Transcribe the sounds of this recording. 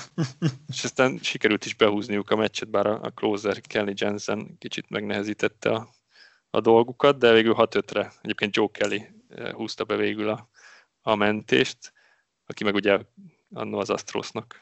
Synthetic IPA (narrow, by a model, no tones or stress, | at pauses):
eʃɛst̪aːnʃikɛɾylt̪iʒbɛɦuːznijukɒmɛt͡ʃːɛt̪̚baːɾɒɒ̰kloːzɛrkʰɛlːid͡ʒɛnzɛnkit͡ʃit̪mɛɡnɛɦɛziːt̪ɛt̪ːɛ̰ɒ | ɒ̰d̪o̞lɡukɒd̪̚d̪ɛveːɡylɦɒt̪øt̪rɛɛɟeːp̚ken̚d͡ʒoːkʰɛlːḭ | huːst̪ɒbɛveːɡylɒ | ɒmɛnt̪ḛːʃt̪ | ɒkimɛɡuɟɛ | ɒ̰nːoːzɒ̰st̪ro̰ːsnɒk